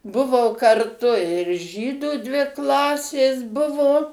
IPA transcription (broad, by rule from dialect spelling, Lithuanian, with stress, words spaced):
ˈbʊʋoː kɐrˈtʊ ɪr ˈʒʲiːdʊ dʲʋʲɪ ˈklˠɑːsʲeːs ˈbʊʋoː